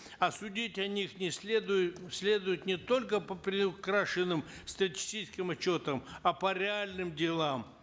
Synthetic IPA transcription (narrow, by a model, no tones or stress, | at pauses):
ɐsʊdʲitʲɐnʲixnʲɪsd̪ʊsʲlʲe̞d̪ʊjʊt̪nʲɪt̪o̞lʲkəpəpɾʲɪʊkɾaʂɨnːɨm | st̪ɾətʲi̥sʲit͡ɕɪ̥skʲɪmɐt͡ɕːo̞t̪əmɐpəɾʲɪalʲnɨmdʲɪlˠam